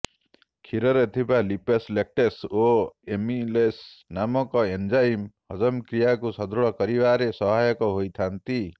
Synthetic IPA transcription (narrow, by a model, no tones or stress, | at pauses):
kʰiɾɔɾet̪ʰibalipeslek̚ʈesoemilesnamɔkɔend͡ʒajmhɔd͡ʒɔmkɾijakusɔd̪ɾɔɭɔkɔɾibaɾesɔɦajɔkɔɦojt̪ʰant̪i